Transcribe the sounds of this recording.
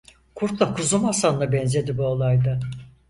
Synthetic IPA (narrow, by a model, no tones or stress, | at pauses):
kʰuɾk̪lˠakʰuzumasanlˠabɛnze̞d̪ibuolˠajd̪a